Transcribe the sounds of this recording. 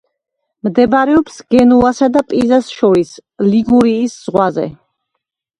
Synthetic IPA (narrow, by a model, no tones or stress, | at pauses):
md̪ɛbaɾɛɔpsɡ̥ɛnulˠasad̪apʼizasʃɔɾisliɡuɾiːsz̥ʁwazɛ̰